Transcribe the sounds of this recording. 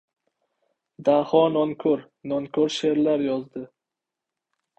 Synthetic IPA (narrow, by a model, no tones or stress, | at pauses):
d̪ahɒnɒŋkʰɵɾ | nɒŋkʰɵɾʃe̞ɾlaɾjɒzd̪ɪ